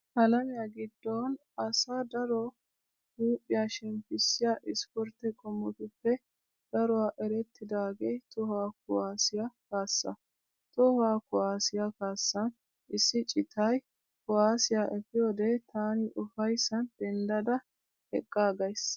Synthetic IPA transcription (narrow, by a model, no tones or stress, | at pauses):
hɐlɐmɪjaɡɪd̪ːoːn | ɐsaːd̪ɐɾɔ | huːpʼːɪjaʃɛmpɪsːɪjaʔɪspɔɾt̪ːɛkʼɔmːɔt̪ʊpːɛ | d̪̥ɐɾɔwaʔɛɾɛt̪ːɪd̪aːɡejt̪ɔhwaːkʊwaːsɪjɐkaːsːɐ̰ | t̪ɔhwaːkʊwaːsɪjɐkaːsːɐn | ʔɪsːɪt͡ʃʼɪt̪ʰɐj | kʊaːsɪjaʔɛfɪjoːd̪et̪ʰaːnɪʔʊfɐjsːɐnd̪̥ɛnd̪ɐd̪ɐ | hɛkʼːaːɡɐjs